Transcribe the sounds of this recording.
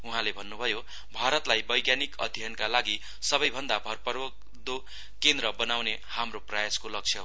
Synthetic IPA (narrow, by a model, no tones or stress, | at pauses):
uɦãlebʱʌnːubʱʌjo | bʱaɾʌt̪lajbʌjɡjanikʌ̰d̪ʱjʌnkalaɡi | sʌbʌjbʱʌnd̪abʱʌrpʌɾok | d̪o | kend̪ɾʌbʌnawne | hamroprajaskolʌk̚t͡ʃʰjʌɦ